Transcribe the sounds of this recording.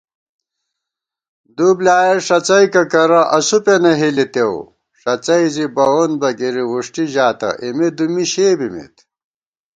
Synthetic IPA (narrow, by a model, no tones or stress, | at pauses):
d̪ublaːjeʂɐt͡sɐjkɐkɐɾɐʔɐsupenɐɦilit̪ew | ʂɐt͡sɐjzibɐonbɐɡiɾiwuʂʈiʑaːt̪ɐ̰ʔimed̪umiɕeːbimḭt̪